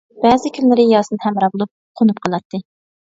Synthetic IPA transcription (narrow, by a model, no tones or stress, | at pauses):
b̥ɛːzɪkʲʰynlɪɾɪjɑːsɨnhæmɾɑbolˠup̚qʰonupqʰəlˠɑt̪ʰːɨ